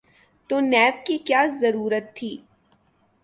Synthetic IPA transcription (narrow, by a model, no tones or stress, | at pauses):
t̪oːnɛːb̚kikjaːzɐɾuːɾət̪ʰːiː